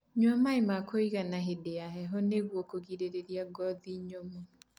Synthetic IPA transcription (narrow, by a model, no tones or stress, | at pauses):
ɲwamaemakoiɣanaɦedeaɦɛɦɔneɣwɔkoɣiɾeɾeɾiaɡɔðiɲomo